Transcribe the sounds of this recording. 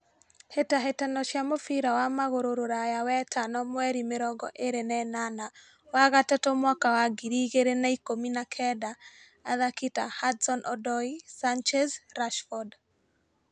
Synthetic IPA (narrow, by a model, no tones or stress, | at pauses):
hetaɦetanɔʃjamofiɾawamaɣoɾoɾoɾajawɛtʰanɔmwɛɾimeɾɔɡɔʔeɾenɛnana | waɣatatomwakawaɡiɾiɣeɾenaikominakʰɛdaː | ðakita̰hadsɔnɔdɔisant͡ʃɛzɾaʃfɔd